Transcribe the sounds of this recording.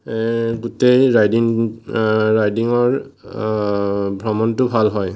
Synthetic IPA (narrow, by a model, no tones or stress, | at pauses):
ɡutejɹajdiŋː | ajdiŋɔɹ | bʱɹɔmɔntʊbʱalɦɔj